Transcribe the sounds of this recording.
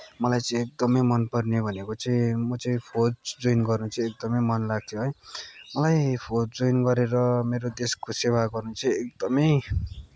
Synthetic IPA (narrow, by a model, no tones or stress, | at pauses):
mʌlajt͡sʌĩek̚d̪ʌmʌjmʌnpʌrnebʱʌnekot͡sʌĩmʌt͡sʌĩpʰodd͡zojnɡʌrnut͡sʰʌ̃ek̚d̪ʌmʌjmʌnlaɡ̚t̪ʰjoɦʌjmʌlajpʰod͡zojnɡʌɾeɾʌmeɾod̪eskosewaɡʌrnut͡sʰʌ̃ekd̪ʌmʌj